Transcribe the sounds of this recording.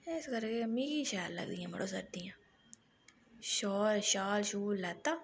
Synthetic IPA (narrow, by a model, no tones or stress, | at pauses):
ɪskəɾkemĩːkiʃaːllə̰ɡd̪iːãːmə̰ɽoːsə̰ɾd̪iːãː | ʃoːlʃaːlʃuːllɛːt̪aː